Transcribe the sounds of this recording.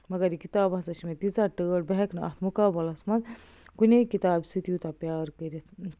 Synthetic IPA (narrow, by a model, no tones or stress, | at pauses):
mɐɡɐɾikit̪aːbɐsɐʃimẽt̪it͡saʈəːɽ̚beɦekʰnɐɐ̰t̪ʰmukaːbɐlɐsmɐ̃n | kunʲekit̪aːbsit̪jut̪apʲjaːɾkəɾʲit̪ʰ